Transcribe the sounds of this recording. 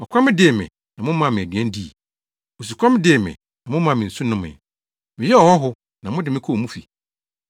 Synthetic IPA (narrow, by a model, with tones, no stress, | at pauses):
mɔ̃˨kʷʰa˦mɪ̃˦dɪ˨e˨mɪ̰̃˨ | nã˨mʊ̃˦mã˦˨mɪ̃˨æ˨dɥɛ̃˦n̩˦di˦˨ | o˨s̬u˨kʷʰa˦mɪ̃˦dɪ˨mɪ̰̃˨ | nã˨mʊ̃˦mã˦˨mɪ̃˨n̩˨su˦nʊ̃˦mɪ̰̃˨ | mɪ̃˨jɛ˦ɔ˨hɔ˦ɦʊ˦ | nã˨mʊ̃˦dɪ˨mɪ̃˦kʰɔ˦˨mũ˦fi˨